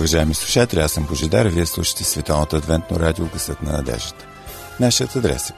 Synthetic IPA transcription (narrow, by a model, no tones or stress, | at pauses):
vɐʒaɛmislˠu̥ʃat̪ɛlʲasəmboʒɛd̪a̰ɾviɛslˠuʃə̥t̪ɛsvɛt̪alnət̪ɐd̪vɛnt̪no̰ɾad̪ioɡəsɤt̪nɐ̰nɐ̰d̪ɛ̰ʒd̪ə̥t̪ə̥ | naʃiət̪ɐd̪ɾɛ̰sə̥